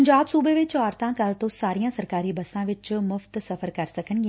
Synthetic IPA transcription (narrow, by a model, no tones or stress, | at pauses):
ɲd͡ʑaːbsuːbeʋɪt͡ɕɔːɾt̪ãkalt̪osaːɾijãsɐɾkaːɾibɐsãʋɪt͡ɕmʊft̪sɐfəɾkɐɾsɐkʰəɽ̃ɡi